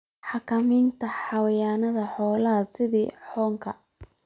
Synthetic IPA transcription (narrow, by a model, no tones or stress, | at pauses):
ħɑkʰɐmɪːnt̪ʰɐħɑwɐjaːnɐðɐħɔːlɐɦɐsɪðiːħɔːŋkʰɐ